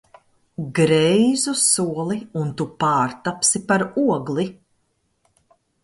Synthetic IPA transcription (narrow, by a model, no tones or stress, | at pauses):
ɡɾɛjzusuɔlˠiunt̪upaːɾt̪apsipaɾuɔɡlˠi